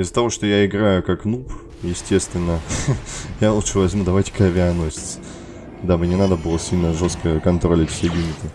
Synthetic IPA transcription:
ɪzə̥t̪ɐvo̞ʂt̪ojaɪɡɾajʊkaknup | jɪsʲtʲe̞st̪vʲɪnːə | jalˠutʂɨvɐzʲmʲud̪ɐvajtʲɪ̥kɐvʲɪaɐnosʲɪ̥t̪sə̥ | d̪abɨnʲɪnad̪əbɨlˠəsʲilʲnəʐost̪kəkɐnt̪ɾolʲɪfʲsʲeɡʲimʲɪt̪ə

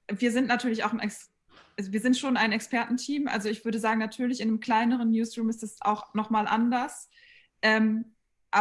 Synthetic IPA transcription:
viːɐzɪntnatʰyːɐlɪça̰ʊxn̩ɛks | ʔazoviːɐzɪntʃoːnaɪnɛkspɛɐtn̩tʰiːmʔa̰lzoɪçv̥ʏɐdəzaːɡŋ̩natʰyːɐlɪçɪndəmkl̥aɪnəʁ̞ənːjuːsʁuːmɪstasa̰ʊxnɔχmaːlʔa̰ndɐs | ʔɛːm | ʔaː

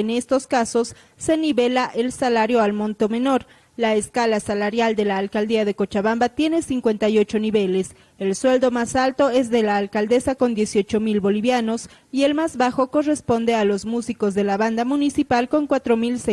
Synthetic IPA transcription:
ene̞st̪o̞skaso̞sː | e̞niβe̞laʔe̞lsalaɾjo̞almõ̞nt̪o̞me̞no̞ɾ | laeskalasalaɾjald̪e̞laːlkald̪iaðe̞ko̞t͡ʃaβambat̪je̞ne̞siŋkwe̞nt̪ajo̞t͡ʃo̞niβe̞le̞s | elswe̞ld̪omasalt̪o̞e̞zðe̞laːlkald̪e̞sako̞nd̪je̞sjo̞t͡ʃo̞milβo̞liβjano̞s | ie̞lmazβaxo̞ko̞re̞spo̞nd̪e̞alo̞zmusiko̞zðe̞laβand̪amunisipalko̞ŋkwat̪ɾo̞milse

